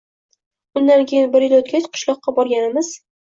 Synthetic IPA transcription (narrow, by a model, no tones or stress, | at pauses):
ʊnd̪ankʲʰejɪnbɪɾjɪlot̪̚kʲat͡ʃqʰʊ̥ʃlˠɒqːɑbɒɾɡʲanɪmɪz̥